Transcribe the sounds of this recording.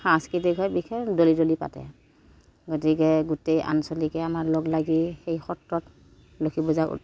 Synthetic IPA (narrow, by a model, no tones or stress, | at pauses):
xãskɹitikʰɔjbixʰɛdolidolipa̰tɛ̰ | ɡotikɛɡutejʔa̰nsolikɛamaɹloɡlaɡixejxɔtɹɔt | lokʰibɔza̰